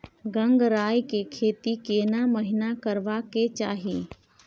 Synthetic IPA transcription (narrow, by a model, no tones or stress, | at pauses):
ɡə̃ŋɡɾaːjkekʰeːt̪ikeːnaməɦɪnakəɾʋaket͡ʃaːɦieː